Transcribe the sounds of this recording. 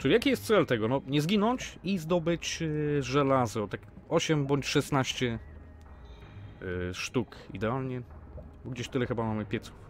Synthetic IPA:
t͡ʂɨjakʲijɛst̪t̪sɛlt̪ɛɡɔnɔɲɛzɡʲinɔɲt͡ɕizd̪ɔbɘt͡ɕʐɛlazɔt̪akɔɕɛmbɔɲt͡ɕʂɛsnaɕt͡ɕɛ | ʂt̪ukḭd̪ɛalɲɛbɔɡd͡ʑeɕt̪ɘlɛxɘbamamɘxpʲjɛt̪su̥f

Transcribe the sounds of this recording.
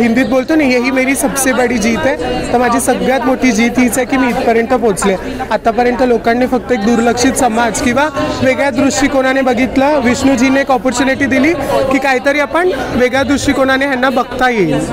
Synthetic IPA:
ɦind̪iːt̪̚bolt̪onaiɦeɦiːmeɾiːsəbsebaɽiːd͡ʑiːt̪ɛt̪əɾmad͡ʑʱisəɡɭjat̪moʈʰiːd͡ʑiːt̪ɦit͡sakiːmiːt̪̚pəɾjənt̪əpot͡sle | at̪apəɾjənt̪əlokanːefək̚t̪əek̚d̪uɾləkʂit̪səmad͡zkĩw̃ʋaʋeɡɭjad̪ɾuʂʈikoɽ̃anebəɡʱit̪ləʋiɕɳuːd͡ʑʱinːeekɔpɔɾt͡ɕuniʈiːd̪iliːkiːkaɦit̪əɾiːapəɳʋeɡɭjad̪ɾuʂʈikoɽ̃anejanːabəɡt̪ajeil

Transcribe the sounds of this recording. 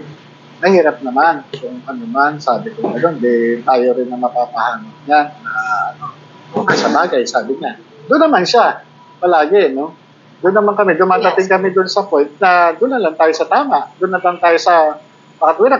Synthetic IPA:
nɐhiːɾɐp̚nɐmankʊŋkɐnɪmansaːbɪkʊɡɐjond̪ɪt̪aːjoɾɪnːɐmɐpaːpɐhaːnɐp̚ɲanːɐʔɐ̰no | okɐsɐmaːɡɐjsaːbɪɲad̪ʊnːɐmanʃa | pɐlaːɡɪno̞ | d̪ʊnːɐmaŋkɐmɪd̪ʊmaːd̪ɐt̪ɪŋkɐmɪd̪ʊnsɐpojnt̪̚nɐd̪ʊnːɐlant̪aːjosɐt̪aːmaʔd̪ʊnːɐlant̪aːjosɐ | bakɐt̪̚wɪɾa

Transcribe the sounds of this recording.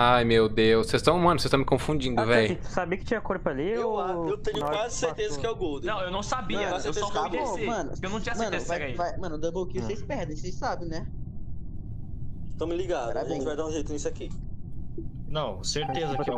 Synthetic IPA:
ajmewd̪ewssezst̪ɐ̃w̃mɐ̃nsest̪ɐ̃w̃mɪkõfũd͡ʒĩnd̪ʊvɛjɪu̥sabiɐkɪt͡ʃĩɲɐkoɾpɐlioaewt̪ẽɲʊwazɪseɾt̪ezɐskɪɛwɡowd̪̃nɐ̃w̃ewnɐ̃w̃sabimɐseewt̪eɔaõmɐ̃nʊ̰ewnɐ̃w̃t͡ʃĩɲɐsmɐ̃nesvjkaivajmɐ̃nʊd̪ɐ̃bokiʊsejspɛɾd̪ẽj̃sejsabẽj̃nɛ | t̪ɐ̃mɪliɡad̪ɾaʒẽt͡ʃɪvajd̪aũʒejt̪ʊisʊaki | nɐ̃w̃seɾt̪ezɐ

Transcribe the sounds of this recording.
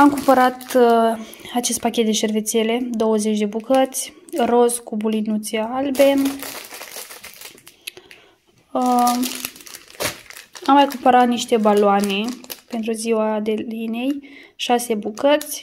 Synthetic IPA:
amkumpəɾat̪ | at͡ʃe̞st̪pakʲet̪̚d̪eʃe̞rve̞t̪sele̞d̪o̞wəze̞t͡ʃʲd̪e̞bukət̪sʲro̞skubulinut̪sealbe | amːajkumpəɾat̪niʃt̪e̞baloane̞pe̞nt̪ɾuziwad̪e̞line̞jʃase̞bukət̪sʲ

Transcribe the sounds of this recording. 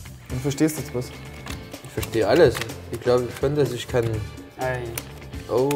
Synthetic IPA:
onfɛɐʃteːsd̥uɛt͡sb̥osʔɪçfɛɐʃteːəʔaləsʔɪçɡ̥laʊbəçʃoːndasɪçkʰaɪnʔa | ʔoʊ

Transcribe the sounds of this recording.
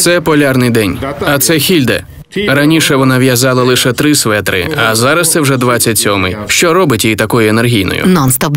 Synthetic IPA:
t̪sɛpɔlʲarnɪjd̪ɛnʲɐt̪sɛxʲilʲd̪ɛ̰ | ɾɐnʲiʃɛʋɔnɑʋʲjɐzɑlˠɐlˠɪʃɛt̪ɾɪsʋɛt̪ɾɪ̰ɐzɑɾɐst̪sɛwʐɛd̪ʋat͡sʲːɐtʲsʲɔmɪjʃt͡ʃɔɾɔbɪtʲjejit̪ɐkɔjʊenerɦʲijnɔ̰jʊ̰nɔnst̪ɔp

